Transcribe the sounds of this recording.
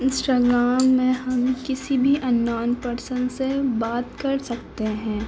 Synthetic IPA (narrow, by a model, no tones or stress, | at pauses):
ɪ̃nsʈaːɡɾaːmːẽɦɐmkɪsibʱiʔɐnːaːnpɐɾsə̃nd̪sebaːt̪kɐɾsɐk̚t̪eɦɛ̃ː